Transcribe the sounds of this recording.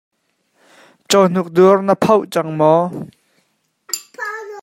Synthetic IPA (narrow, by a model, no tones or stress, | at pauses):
t͡ʃɔn̥uk̚d̪urnəpʰɐwʔt͡sɐŋmɔ